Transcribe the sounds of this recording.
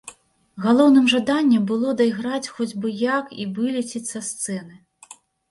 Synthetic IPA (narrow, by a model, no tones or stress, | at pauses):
ɣalˠɔwnɨmʐad̪anʲːɛbɨlˠɔd̪ɐjɣɾat͡sʲxɔd͡zʲbɨjakivɨlʲit͡sʲit͡sʲsɐst̪sɛnɨ